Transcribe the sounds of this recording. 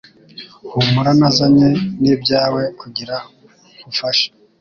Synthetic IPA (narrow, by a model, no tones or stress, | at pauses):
humuɾanazaɲenibɟaːwe̞kuɟiɾa | kufaʃḁ